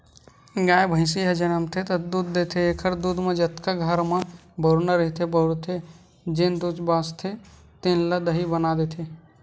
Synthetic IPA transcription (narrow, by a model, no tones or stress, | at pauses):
ɡajbʱə̃ɪ̃siɦəd͡ʒənəmt̪ʰet̪əd̪ud̪ːet̪ʰeekʰəɾd̪ud̪med͡ʒət̪kaɡʱəɾme | bəɾnəɾəɦt̪ʰebəɽt̪ʰe | d͡ʒend̪ud͡ʒbast̪ʰe | t̪enləd̪əɦibənad̪et̪ʰe